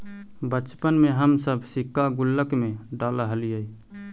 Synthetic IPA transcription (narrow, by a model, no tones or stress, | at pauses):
bət͡ʃpənmeɦəmsəbʱsikːaɡulːəkmeɖaləɦəliəi